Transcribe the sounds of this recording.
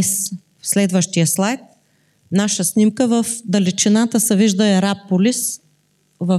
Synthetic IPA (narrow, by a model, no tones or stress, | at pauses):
s | slɛd̪vəʃt̪ijəslˠajt̪̚ | naʃəsnimkəvəfd̪ɐlit͡ʃinat̪əsɛviʒd̪əɛɾapːolis | və